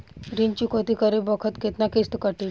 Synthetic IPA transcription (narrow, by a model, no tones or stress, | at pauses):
ɾint͡ɕikot̪ikəɾebəkʰət̪ket̪nakest̪kəʈil